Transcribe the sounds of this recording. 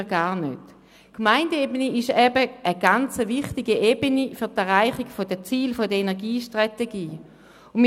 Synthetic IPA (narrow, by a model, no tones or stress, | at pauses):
ɡaːɐnø̰t | kmaɪndəebəniɪʃɛbəʔəɡ̥ant͡səvɪχtiɡiʔebənifyɐtɛʁaɪχɪkfod̥ət͡siːlfodəenɛɐʁɡiːʃtʁ̥ateɡiː | ʊnm